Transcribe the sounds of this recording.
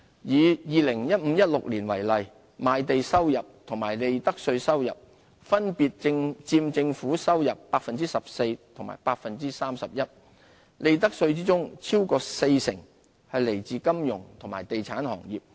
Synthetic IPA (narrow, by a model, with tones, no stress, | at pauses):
jiː˨˧jiː˨˧lɪ˨˩ŋjɐ˥t̚m̩˨˧˥jɐ˥t̚lʊ˨k̚liː˨˩nwɐ˨˩jlɐ˨j | maː˨˧jt̪e˨jsɐ˥wjɐ˨p̚t̪ʰʊ˨˩ŋmaː˨˩jle˨˧jt̪ɐ˥k̚sɵ˧ɥsɐ˥wjɐ̰˨p̚ | fɐ˥npiː˨t̚ɪ˧ŋt͡siː˧mt͡sɪ˧ŋfuː˨˥sɐ˥wjɐ˨pːaː˧k̚fɐ˨nt͡siː˥sɐ˨p̚se˧jt̪ʰʊ˨˩ŋma̰ː˨˩jpaː˧k̚fɐ˨nt͡siː˥saː˥msɐ˨p̚jɐ˥t̚ | le˧jt̪̬ɐ˥k̚sɵ˧ɥt͡siː˥t͡sʊ˥ŋt͡sʰiː˥wkɔː˧se˧jsɪ˨˩ŋ | hɐ˨jle˨˩jt͡siː˧kɐ˥mjʊ˨˩ŋt̪ʰʊ˨˩ŋmaː˨˩jt̪e˨jt͡sʰaː˨˥nhɔ̰ː˨˩ŋjiː˨p̚